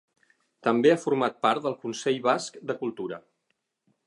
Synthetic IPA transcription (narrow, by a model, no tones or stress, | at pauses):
t̪əmbeafuɾmat̪̚paɾt̪d̪əlˠkunsɛʎβaskd̪əkulˠt̪uɾə